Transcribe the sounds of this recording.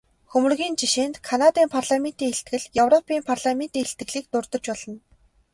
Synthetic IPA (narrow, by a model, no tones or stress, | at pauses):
xɵmɵ̆rɣʲiːnt͡ɕiʃeːnt̪kʰanat̪iːmpʰarɮamen̥t̪iːŋeɬt̪ɡɘ̆ɮjɵwrɔpʰiːmpʰarɮamen̥t̪iːŋxeɬt̪ɡɘ̆ɣɮiːk̚t̪ʊrt̪ɞ̆t͡ɕpɔɮ̥ɞ̆n